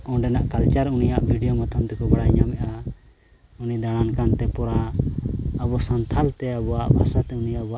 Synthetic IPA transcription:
ɔ̃ɖɛnaʔkalt͡ʃaɾunijaʔbʱiɖijomat̪ʰamt̪ɛkɔbaɽajɲamɛʔa | unid̪aɽ̃ankant̪ɛpɔɾaː | bɔsant̪ʰalt̪ɛabɔwaʔbʱasat̪ɛunijabɔaʔ

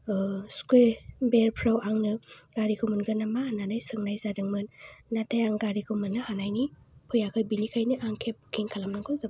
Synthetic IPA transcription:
skwebeɾpʰɾawaŋnɯɡ̥aɾikʰɯmɯnɡɯnamaananajsɯŋnajzadɯŋmɯnːatʰajaŋɡaɾikʰɯmɯnːɯhanajnipʰɯjakʰɯjbinikʰajniʔaŋkʰep̚kʰiŋkʰalamnaŋkʰoza

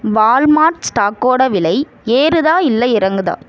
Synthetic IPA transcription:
ʋaːlmaːʈsʈaːkoːɽɐʋɪlɐɪ | eːɾɯðaːɪlːɐɪɾɐŋɡɯðã̰ː

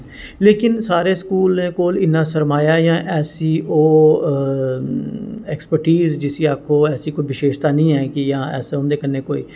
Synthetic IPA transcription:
leːkɪnsaːɾeːskuːlnẽːkoːlɪnːãːsəɾmaːjaːjãːʔɛːsiːʔoː | ɛːkspəɾʈiːzd͡ʒɪsiːaːkʰːõːɛːsiːkoːiːʋɪʃeːʃt̪aːnĩːɛːkɪjãːɛ̰ːseʊ̃nd̪eːkənːẽːkoːḭː

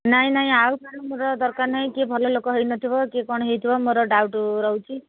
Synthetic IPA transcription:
naĩnaĩawkaɾɔmoɾɔd̪ɔɾkaɾnaĩkebʱɔlɔlokɔɦejnɔt̪ʰibɔkekɔɽ̃ɦejt̪ʰibɔmoɾɔɖawʈuɾɔwt͡ʃʰi

